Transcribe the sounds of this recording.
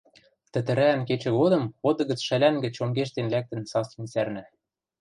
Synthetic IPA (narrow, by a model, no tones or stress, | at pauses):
t̪ɘ̆t̪ɘ̆ɾæːnket͡ɕɘ̆ɣod̪ɤ̆mod̪ɤ̆ɣə̆t͡sʃælæŋɡɘ̆t͡ɕomɡeʃ̬t̪enlæk̚t̪ɘ̆nsɑslinsærnæ